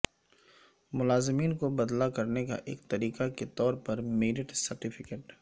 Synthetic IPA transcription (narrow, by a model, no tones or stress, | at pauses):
mʊlaːzɪmiːnkobɐd̪lakɐɾneka̰ʔeːkt̪ɐɾiːqaket̪ɔːɾpɐɾmeːɾɪʈsɐɾʈɪfʰɪkeːʈ